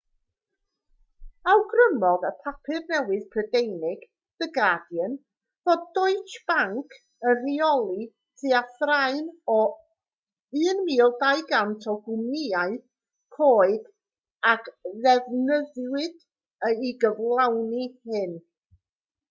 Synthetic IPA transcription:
awɡrəmɔðəpʰapʰɨrnɛwɨð̥pʰrədejnɪɡ̥ | d̥əɡadjən | vod̚dɔɨt͡ʃb̥aŋkʰ | əriɔlˠi | tʰiːaθraɨnɔ | ɨːnmiːlˠdajɡantʰɔɡwʊmɪaɨð | kʰoːɨd̥ | akðɛvnəðwɨd̥ | əiɡəvlˠawnihɨn

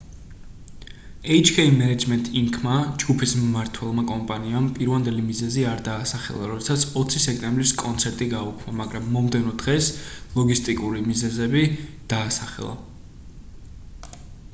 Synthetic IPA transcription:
ɛit͡ʃʰkʰɛimɛnɛd͡ʒmɛnt̪ʼiŋkʰmad͡ʒɡupʰisːaɾt̪ʰwɛlˠmakʼɔmpʼaniampʼiɾvand̪ɛlimizɛziaɾd̪aːsaχɛ̰lˠa̰ɾɔd̪ɛsat̪sʰɔt̪sʰisɛkʼt̪ʼɛmbɾiskʼɔnt̪sʰɛɾt̪ʼiɡaukʰmamaɡɾamːɔmd̪ɛnɔd̪̥ʁɛslˠɔɡist̪ʼikʼuɾimizɛzɛbid̪̥aːsaχɛ̰lˠa̰

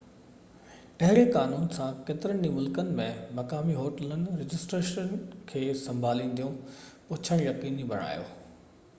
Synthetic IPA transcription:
ʈɐɦɪɾekaːnuːnsãkeːt̪ɪɾəɽ̃d͡ʑĩmʊlkənɪ̆mẽmɐkaːmiɦoːʈələnɪ̆ɾɪd͡ʑɪsʈɾeːʃənkʰeːsɐ̃mbʱaːlĩːn̆d̪ijũpʊt͡ɕʰəɽ̃jɐqiːnibʱɐɽ̃a̰ːjo̰ː

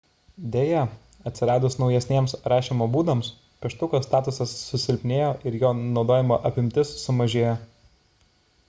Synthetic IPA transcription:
d̪ʲeːjɛ | ɐt̪ʲsʲɪɾɑːd̪ʊsnɒʊjɛsʲnʲiɛmsɾɑːʃʲiːmoːbuːd̪ɐms | pʲɛʃt̪ʊkoːst̪ɑːt̪ʊsɐsːʊsʲɪlʲpʲnʲeːjoːʔɪɾjoːnɒʊd̪oːjʲɪmo̰ːʔɐpʲɪmʲt̪ʲɪsːʊmɐʒʲeːjoː

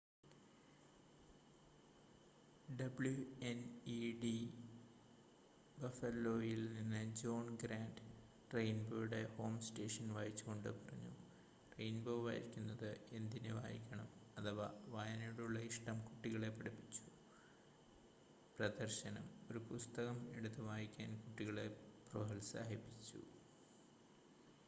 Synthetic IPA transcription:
ɖɐbɭjueniɖi | bɐfɐlːoːjilninːɨd͡ʑo̞ːnɡɾaːɳɖ | rejnboɾuɽeho̞ːmsʈe̞ːʂɐnʋaːjit͡ɕːuɣo̞ɳɖɨpɐrɐɲːṵ | rejnboːʋa̰ːjḭkʲːunːɐðɨe̞nd̪ineʋa̰ːjḭkʲːɐɳɐmɐt̪ʰɐʋaʋajɐnɐjuɽuɭːɐiʂʈɐmkuʈːiɣɐɭe̞pɐɽipːit͡ɕːu̥ | prɐd̪ɐrɕɐnɐmo̞ɾupust̪ɐɣɐme̞ɽut̪ːɨʋaːjikʲːaːnkuʈːiɣɐɭeproɦɐlsa̰ːɦipːit͡ɕːṵ

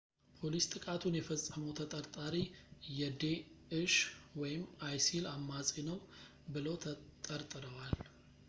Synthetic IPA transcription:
pʰo̞list̪ʼɨkʼat̪ʰunjɛfəsʼːəməwt̪ʰət̪ʼəɾt̪ʼaɾijɛd̪eɨʃwɔjɪmajsilamːasʼinəw | bɨlot̪ʰt̪ʼəɾt̪ʼɨɾəwal

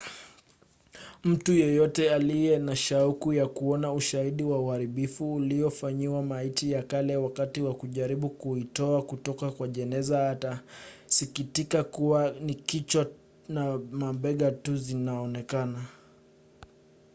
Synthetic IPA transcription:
m̩tujɛjɔtɛalijɛnaʃaukujakuɔnauʃahiɗiwauhaɾiɓifuːliɔfaɲiwamaitijakalɛwakatiwakuʄaɾiɓukuitɔakutɔkakwaʄɛnɛzaːta | sikitikakuwanikit͡ʃwa | namambɛɠatuzinaɔnɛkana

